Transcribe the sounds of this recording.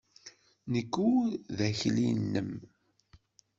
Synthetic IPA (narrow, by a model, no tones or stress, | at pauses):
nəkːuðæçlḭnːəm